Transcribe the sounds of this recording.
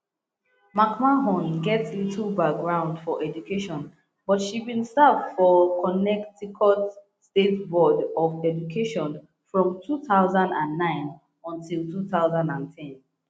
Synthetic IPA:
makmaɦɔ̃nɡɛtslitʰl̩ˠbak̚ɡɹãʊ̃ndfɔʔɛd͡ʒukʰeʃɔ̃n | bɔtʃibĩnstavfɔkʰɔnɛktikʰɔt | stetbɔdɔvɛd͡ʒukʰeʃɔ̃n | fɹɔ̃mtʰuθaʊzãndãnːãɪ̃n | ɔ̃ntilˠtuθaʊzãndãntʰɛ̃n

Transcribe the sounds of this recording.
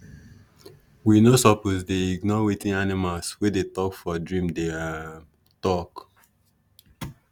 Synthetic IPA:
winosɔpozdeiɡnɔɹetĩnanimalswedetɔkfɔdɹĩmdea | tɔk

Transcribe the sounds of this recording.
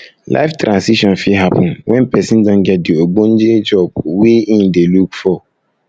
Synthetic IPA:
la̰ɪftɾãnsiʃɔ̃nfiɦapʰɔ̃nwʔɛ̃npɛsĩndɔ̃nɡɛt̚dioɡ͡bõn̩d͡ʒed͡ʒɔb̚wiĩndelukfɔ

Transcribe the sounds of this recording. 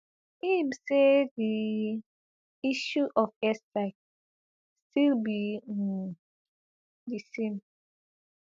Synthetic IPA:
imsedi | iʃuʔɔfɛsaɪk̚ | stilbi | disẽm

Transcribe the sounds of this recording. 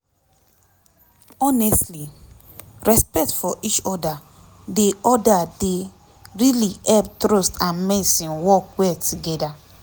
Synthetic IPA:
ɔnɛstli | ɹɛspɛk̚tfɔʔit͡ʃɔda | deɔdade | ɹiliɛp̚tɾostãnmɛsĩnwɔkwɛtʰuɡɛda

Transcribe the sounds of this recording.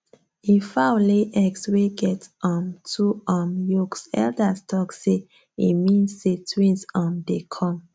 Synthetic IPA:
ĩfawleʔɛksweɡɛtɔ̃mtʰuɔmjɔksɛ̰ldastʰɔkse | ḭmĩnsːetʰwĩnsɔ̃mdekʰɔ̃m

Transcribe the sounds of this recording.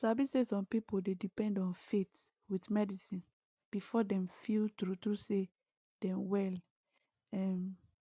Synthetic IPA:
savisɛsɔ̃npipodedipɛ̃ndɔ̃nfet | widmɛdisĩn | b̥ifɔdɛ̃mfiltɾutɹuse | d̥ɛ̃mwɛl | ɛ̃n

